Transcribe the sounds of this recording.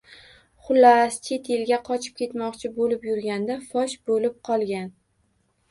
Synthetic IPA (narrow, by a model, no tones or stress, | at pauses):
χʊlːast͡ʃʰe̞t̪ʰelɡʲaqʰɒt͡ʃʰɪ̥p̚kʲʰe̞t̪mɒqt͡ʃʰɪbolɪpjʊɾɡʲand̪afɒʃbolɪp̚qʰɒlˠɡʲan